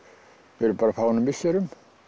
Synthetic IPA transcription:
ɛɾʏpaːɾafaːwnʏmɪsɛɾʏm

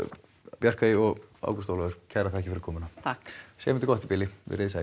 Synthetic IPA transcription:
pjar̥kaðɪɔɣa̰wkɔ̥st̪oːwlaðʏɾ̥cʰɛɾat̪ʰahɛcɪfɪɾkʰɔːmʏnat̪ʰaksɛːmɛnt̪ɪkɔht̪ipɪlːɪɪ̰ɾeːðɪsaː

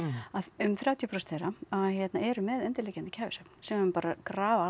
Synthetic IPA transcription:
aʏmθɾjaːwt̪ʰjʏpʰɾɔst̪θejɾaaðçjɛt̪naɛɾʏmɛðœnt̪ɪɾlɛːcant̪ɪ̥cʰaːvɪsœpn̥sɛmʏmpaːɾakɾaːva

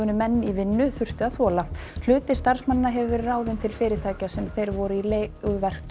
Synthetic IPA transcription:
ʏnʏmɛnːivɪnːʏθʏr̥t̪ʏaðθɔːlal̥ʏːt̪ɪ̥st̪ar̥smanːaɦɛvʏvɛɾɪraːwðɪnt̪ʰɪlfɪːɾɪt̪ʰaːcasɛmθejɾvɔɾʏileɣʏvɛr̥t̪

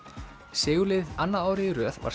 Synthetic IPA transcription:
sɪːɣʏlɪðanːaaːwɾɪɾœːðva̰ɾ

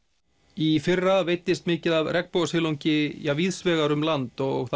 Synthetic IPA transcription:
ifɪrːaveːjt̪ɪst̪mɪːcɪðavrɛkpoːɣashɪːlowɲcɪjaviðsvɛːɣaɾʏmlant̪ɔɣθa

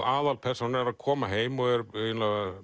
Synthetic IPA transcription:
aːðalpʰɛr̥sɔnɛɾaðkʰɔːmaɦeːjmɔɣɛɾœnla

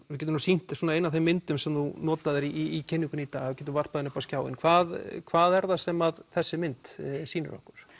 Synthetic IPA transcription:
vɪɾc̬ɛt̪mnusin̥t̪suːnaɪnːavθemːɪnt̪ʏmsɛmθunɔːt̪aðɪɾiːcʰɪnːiŋkʏnit̪a̰ːɣavɪcɛːt̪ʏvar̥paðɪnʏhpascjaːwɪ̰nkʰvaːðkʰvaːðɛɾðasɛmaðθɛsːɪmɪnt̪siːnʏ̰ɾɔ̰hkʏɾ̥

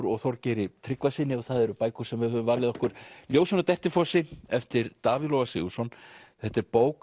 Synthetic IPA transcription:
ɾɔɣθɔwɾcɛːɾɪt̪ʰɾɪkvasiːnɪɔθaðɛɾʏpaːjkʏ̥sɛmvɪðhœvʏmvaɾlɪðɔhkʏɾ̥ljoːwsɔnat̪ɛht̪ɪfɔsɪɛft̪ɪɾt̪aːvɪðlɔwasɪ̰ːusɔnθɛht̪ːɪɾpoːwk

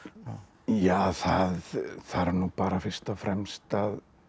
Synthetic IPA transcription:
jaːθaðθaðɾɛɾnupaːɾafɪɾ̥st̪afɾɛmst̪að

